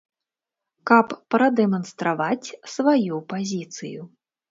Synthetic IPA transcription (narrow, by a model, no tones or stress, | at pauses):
kɐpːɾɐd̪ɛmɐnst̪ɾavat͡sʲsvajupazʲit̪sɨju